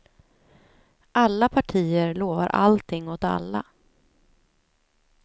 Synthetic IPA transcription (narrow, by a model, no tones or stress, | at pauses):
ʔalːapʰaʈʰiːəɾɭoːva̰ɾʔa̰lt̪ʰɪŋːɔt̪a̰lːa